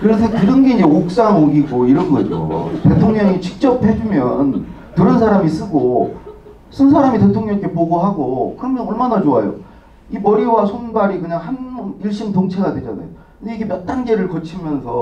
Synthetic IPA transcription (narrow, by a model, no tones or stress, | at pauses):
kɯɾesʰʌkɯɾʌnɡe̞id͡ʑeok̚s͈aŋoɡiɡoiɾʌnɡʌd͡ʑo̰te̞tʰoŋɲʌŋit͡ɕi̥k̚t͡ɕ͈ʌp̚he̞d͡ʑumjʌn | tɯɾʌnsʰaɾamis͈ɯɡo | s͈ʰɯns̬ʰaɾamite̞tʰoŋɲʌŋkʰepoɡoɦaɡokɯɾʌmjʌnʌɭmanat͡ɕoajo̰ | imʌɾiwasʰonbaɾikɯɲaŋhaniɭɕ͈imtoŋt͡ɕʰe̞ɡadwe̞d͡ʑa̰na̰jo | kɯd͡ʑeiɡemjʌt͈̚anɡe̞ɾɯɭkʌt͡ɕʰimjʌnsʰʌ